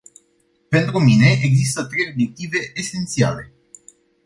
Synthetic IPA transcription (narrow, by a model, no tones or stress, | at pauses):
pe̞nt̪ɾumine̞ʔeɡzist̪ət̪ɾe̞jo̞bjek̚t̪ive̞ʔesent̪sia̰le̞